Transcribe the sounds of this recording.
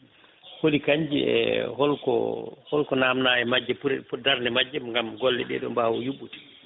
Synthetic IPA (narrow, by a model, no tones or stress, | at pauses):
hodikaɲd͡ʒiɛ̰hɔlkɔ̰hɔlkɔnamnaːjɛmad͡ʒːɛpuɾudaɾnɛmad͡ʒːɛmŋɡamɡɔlːɛ̰ɗɛ̰ɗɔ̰mbawɔjuɓːuti̥